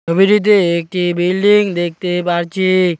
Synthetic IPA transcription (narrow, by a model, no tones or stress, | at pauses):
obʱiɾit̪̬ːeek̚ʈibilɖiŋd̪ek̚t̪epaɾt͡ɕʰi